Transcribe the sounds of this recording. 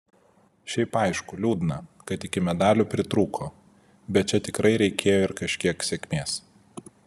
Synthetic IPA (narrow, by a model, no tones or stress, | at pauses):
ʃʲɛɪpɐˑɪʃkʊlʲuːd̪ʲɪnɐkɐt̪ɪkʲɪmʲɛd̪ɑːlʲupʲɾʲɪt̪ɾuːkʰoː | bʲɛt̪̚t͡ʃʲɛt̪ʲɪkɾɐɪɾʲɛɪkʲʰeːjoːɪɾkɐʃʲkʲiɛksʲɛkʲmʲeːs